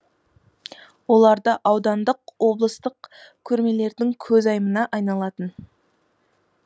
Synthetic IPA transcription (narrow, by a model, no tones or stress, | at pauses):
wo̞lˠɑɾd̪əʔɑwd̪ɑnd̪əqwo̞blˠəst̪əqkʲʰɵɾme̞le̞ɾd̪ɪŋkʲʰɵzɑjmənɑʔɑjnɑlˠɑt̪ən